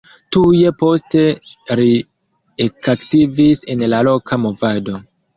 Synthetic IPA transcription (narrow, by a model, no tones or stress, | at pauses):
tuje̞po̞ste̞ɾi | ekaktivise̞nlalo̞kʰamo̞vado̞